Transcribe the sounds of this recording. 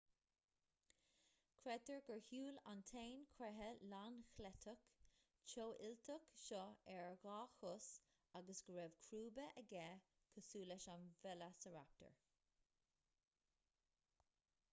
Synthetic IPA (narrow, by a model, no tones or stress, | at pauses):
kʰɾɛtəɹɡəɹhuːla̰nt̪ʰeːnkʰɾɛɦəlanxlɛt̪ʰək | t͡ʃoːʔɪltʰəkʃɔɛɹɣɑːxʊs | aɡəsɡəɹɛvkʰɾuːbəʔəɡɛː | kʰəsuːlɛʃanvɛlasəɹa̰p̚tʰə̰ɹ